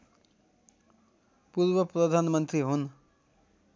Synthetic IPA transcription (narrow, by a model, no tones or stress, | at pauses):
purbʌprʌd̪ʱanmʌnt̪riɦun